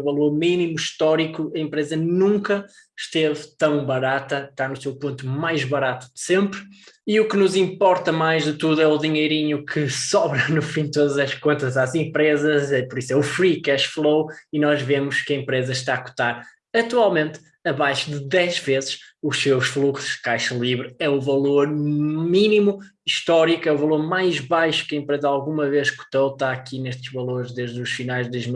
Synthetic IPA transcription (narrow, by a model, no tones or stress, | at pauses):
vɐlˠoɾminimuʃt̪ɔɾikuɐẽmpɾezɐnũŋkɐ | ʃt̪evt̪ɐ̃w̃bɐɾat̪ɐʃt̪aɾnusewpõnt̪umajʒβɐɾat̪u̥ðɨsẽmpɾiuknuzĩmpɔɾt̪ɐmajʒðɨt̪uðuɛuðiɲejɾiɲukʰɨsɔβɾɐnufĩd̪̚t̪oðɐzɐʃkõnt̪ɐzazẽmpɾezɐzɛpɔɾiswɛufɾikɛʃflˠowinɔʒvemuʃkɐẽmpɾezɐʃt̪aɐku̥t̪aɾ | ɐt̪walˠmẽnt̪ | ɐβajʃuðɨdɛʒvezʃuʃsewʃflˠuksu̥ʒ̥kajʃɐlˠiβɾɨɛuvɐlˠoɾminimu | iʃt̪ɔɾikɛuvɐlˠoɾmajʒβajʃu̥kɐẽmpɾezɐalˠɣumɐvezʃku̥t̪owt̪aɐkineʃt̪ɨʒ̥vɐlˠoɾʒðeʒðuʃfinajʒdɐʒn